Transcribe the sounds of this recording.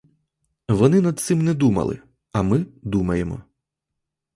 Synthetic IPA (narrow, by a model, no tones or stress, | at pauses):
ʋɔnɪnɐd̪̚t̪sɪmnɛd̪umɐ̰lˠɪ̰ | ɐmɪd̪umɐjemɔ̰